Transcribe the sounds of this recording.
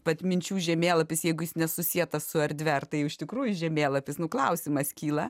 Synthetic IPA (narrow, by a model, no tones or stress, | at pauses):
pɐt̪mʲɪnʲt͡ʃʲuːʒʲɛmʲeːlˠɐpʲɪsjɛɪɡʊjɪsnʲɛsʊsʲiɛt̪ɐssʊɐɾʲd̪ʲʋʲɛrt̪ɐɪʊɪʃʲt̪ʲɪkɾuːjʊʒʲɛmʲeːlˠɐpʲɪsnʊklˠɐʊsʲɪmɐskʲiːlˠɐ